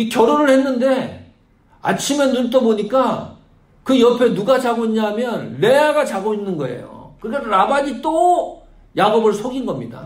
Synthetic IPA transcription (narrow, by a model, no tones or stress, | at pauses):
ikjʌɾonɯɭhe̞nːɯnde̞ | a̰t͡ɕʰime̞nuɭt͈oboɲik͈a | kɯjʌpʰe̞nuɡat͡ɕaɡoiɲɲamjʌnːe̞aɡat͡ɕaɡoinːɯnɡʌe̞̰jo̰kɯkaɾabaɲit͈o | jaɡobɯɭsʰoɡinɡʌmɲida̰